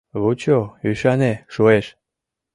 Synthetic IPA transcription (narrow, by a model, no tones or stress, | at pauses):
βut͡ɕoyʃɑneʃueʃ